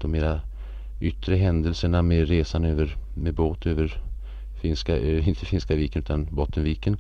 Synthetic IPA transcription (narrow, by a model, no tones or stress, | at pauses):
d̪̥ɔmeːɾa | ʔʏt̪ːɾəɦɛnd̪əlsəɳameɾeːsanøːvəɾmeboːt̪ʰøːvəɾ | fɪnskaʔøɪnt̪ʰəfɪnskaviːkənʉːt̪anbɔt̪ːənviːkən